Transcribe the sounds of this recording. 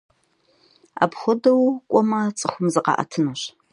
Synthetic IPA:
a̰ːpχʷɔdɐwkʷʼɔmɐt͡sʼɨxʷʊmzɨqɑ̰ːʔɐ̰tʰɨnɐɕ

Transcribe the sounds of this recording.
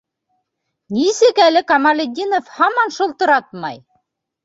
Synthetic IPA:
nʲisɘkælʲɘ̆kɑmɑlʲedʲinofhɑmɑnʃŏlˠt̪ɤ̆ɾɑt̪̚mɑ̰j

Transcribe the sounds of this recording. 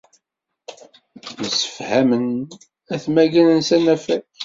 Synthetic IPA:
məsə̥fhæmən | æθmæʝænənsænæfæ

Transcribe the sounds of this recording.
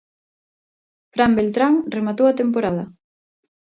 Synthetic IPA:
fɾambelt̪ɾaŋremat̪owɐt̪emp̬oɾað̞ɐ

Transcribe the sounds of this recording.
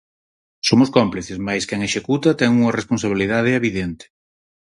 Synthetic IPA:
somʊskɔmpliθeszmajskɛŋeʃekut̪ɐt̪ɛŋuŋɐrespons̬aβ̞iliðað̞ɪeβiðɛnt̪ɪ̥

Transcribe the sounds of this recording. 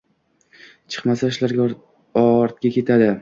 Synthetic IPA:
t͡ʃʰɨ̥qmasaɪʃlaɾɡʲ | ɒɾt̪̚ɡʲakʲe̞t̪ʰad̪ɪ

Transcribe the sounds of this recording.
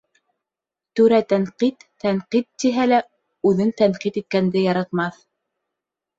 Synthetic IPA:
t̪ɵ̆ɾæt̪æŋqit̪ː | æɴqit̪ːiɦælæ | ʉðɘnt̪æɴqit̪it̪̚kænd̪ɘjɑɾɑt̪mɑθ

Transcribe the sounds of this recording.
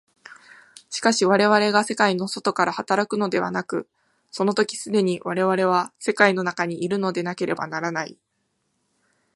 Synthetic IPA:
ɕi̥kaɕiβaɾe̞β̞aɾe̞ɡase̞kaino̞so̞t̪o̞kaɾahat̪aɾakɯ̟no̞d̪e̞βa̰nakɯ̟ | so̞no̞t̪o̞kʲi̥sɨd̪e̞ɲ̟iβaɾe̞β̞aɾe̞β̞ase̞kaino̞nakaɲ̟iʔiɾɯ̟no̞d̪e̞nake̞ɾʔe̞ba̰naɾanai

